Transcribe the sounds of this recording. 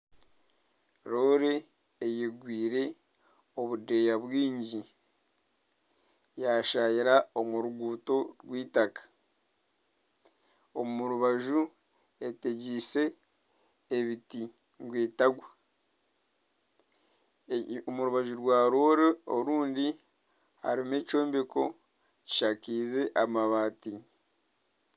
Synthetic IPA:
ɾo̞ːɾeː | jeɡwiːɾe̞ | o̞βude̞jaβwiːɲɟi | jaʃajiɾao̞muɾuɡuːto̞ɾɡwiːtakḁ | omuɾuβaʒu | e̞te̞ɟise̞ː | βiti | ŋɡwiːtaɡwa | muɾuβaʒuɾɡwaːɾoːɾeoɾuːndi | ha̰ɾime̞ːt͡ʃo̞ːmbeko̞ | ci̥ʃakiːze̞ʔamaβaːti

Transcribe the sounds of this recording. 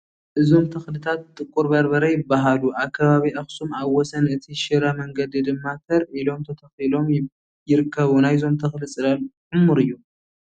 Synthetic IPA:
ʔɨzo̞mt̪ʰɐxlɨt̪ʰat̪̚ʼːɨkʼːuɾbɐɾbɐɾɐjɪbːaɦaluʔaβkʰːɐβaβiʔɐxsumaβwːɔsɐnɨt̪ʰiʃɨɾɐmɐŋɡɐd̪id̪ɨmːat̪ʰɐɾʔilo̞mt̪ʰɐt̪ʰɐxilo̞m | jɪɾɨkʰːɐβunajzo̞mt̪ʰɐxlɨsʼɨɾɐlħɨmːuɾɨjːu

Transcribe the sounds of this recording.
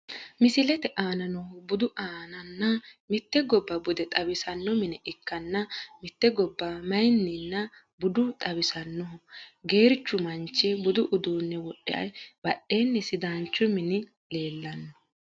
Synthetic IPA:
mɪsɪlɛt̪ɛʔaːnɐnɔbʊd̪ʊʔaːnɐnːɐmɪt̪ːɛɡɔbːɐbʊd̪ɛt̪ʼɐbɪsɐnːɔmɪnɛʔɪkːɐnːɐmɪt̪ːɛɡɔbːɐmɐjnːɪnːɐ | bʊd̪ʊt̪ʼɐbɪsɐnːɔɔɡe̞ːɾt͡ʃːʊmɐnt͡ʃːɛbʊd̪ʊʔʊd̪uːnːɛwɔɗɛ̰ʔɐ̰jbɐɗːe̞ːnːɛsɪd̪aːnt͡ʃːʊmɪnɪ | le̞ːlːɐnːɔ

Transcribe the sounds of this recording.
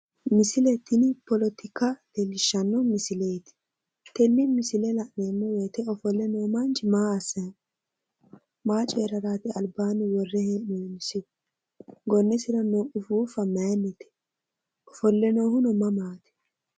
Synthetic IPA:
mɪsɪlɛt̪ːɪnɪpɔlɔt̪ɪkɐd̪̥ɛlːɪʃːɐnːɔmɪsɪlejt̪ɪ̥ | t̪ɛnːɪmɪsɪlɛlɐʔneːmːɔwɛːt̪ɛɔfɔlːɛnoːmɐnt͡ʃɪmaːɐsːɐ | maːt͡ʃʼeːɾɐɾaːt̪ɪɐlbaːnɪwɔrːɛhɛnuːnɪsɪ | ɡɔnːɛsɪɾɐnoʔʊfuːfɐmaːnːɪt̪ɛ̥ | ʔɔfɔlːɛnoːhʊnɔmɐmaːt̪ɛ̥

